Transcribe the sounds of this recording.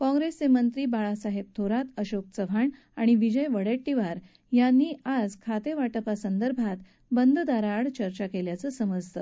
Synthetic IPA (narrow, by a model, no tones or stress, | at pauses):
kɔ̃ŋɡɾest͡semənt̪ɾiːbaɭasaɦeb̚t̪ʰoɾat̪əɕok̚t͡səʋʱaɳ | aɽ̃iʋid͡ʑəjʋəɽeʈːiʋaɾ | janːiːad͡zkʰat̪eʋaʈəpasənd̪əɾbʱat̪ | bənd̪ʱd̪aɾaɽt͡ɕəɾt͡ɕakeljat͡səːsəməd͡zt̪ə